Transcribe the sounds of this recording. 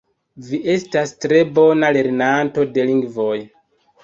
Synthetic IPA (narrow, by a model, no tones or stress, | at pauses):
viʔe̞stastɾe̞bo̞nale̞ɾnanto̞de̞liŋɡvoj